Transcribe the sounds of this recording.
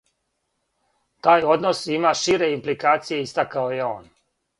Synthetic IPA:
t̪aːjo̞d̪no̞simaʃiːɾe̞implikaːt̪sije̞ist̪akaojeo̞̰ːn

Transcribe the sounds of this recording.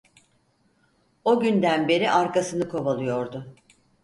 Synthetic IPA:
o̞ɟynd̪ænbe̞ɾiʔaɾkasɯnɯkʰo̞balˠɯjo̞ɾd̪ʊ

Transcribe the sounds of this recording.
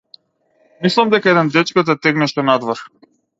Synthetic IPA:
mislˠamd̪ɛkaɛd̪ɛnd̪ɛt͡ʃkɔt̪ɛt̪ɛɡnɛʃt̪ɔnad̪vɔɾ

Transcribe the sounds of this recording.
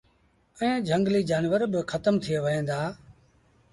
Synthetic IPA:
əẽːd͡ʒʱəŋɡliːd͡ʒaːnʋəɾbɪkʰət̪əmt̪ʰɪeːʋəɦẽːd̪aː

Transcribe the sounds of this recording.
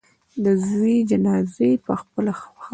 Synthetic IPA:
d̪əzwid͡ʒanɑzepəxpəlax

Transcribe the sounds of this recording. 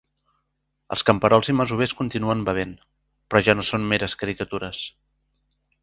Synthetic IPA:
ə̰lˠskəmpəɾɔlˠziməzuβ̞eskunt̪inuəmbəβ̞en | pɾɔʒanosonmeɾəskəɾikət̪uɾəs

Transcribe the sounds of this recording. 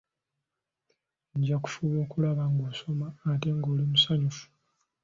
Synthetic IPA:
ɲɟaku̥fuβoːkulaβaŋɡoːso̞maːte̞ŋɡo̞ːlimusaɲufu̥

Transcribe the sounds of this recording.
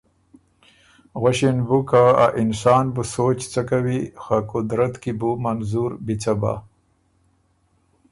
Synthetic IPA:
ɣaɕinbukaa̰ʔinsɑːnbusoːt͡ɕt͡sakawixakʊd̪ɾɐt̪kibumanzuɾbit͡saba̰

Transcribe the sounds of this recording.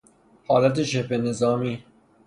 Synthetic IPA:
hɑːlæt̪̬eʃepenezɑːmiː

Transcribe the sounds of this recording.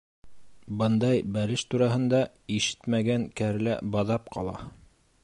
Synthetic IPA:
bɤnd̪ɑjbælɘʃt̪uɾɑɦɤ̆nd̪ɑ | iʃɘ̥t̪mæɡæŋkæɾlæ̰bɑðɑp̚qʰɑ̰lˠɑ̰

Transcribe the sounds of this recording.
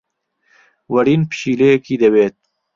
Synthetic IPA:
wɐɾiːnpʃiːlejɛkiːd̪ɐweːt̪̚

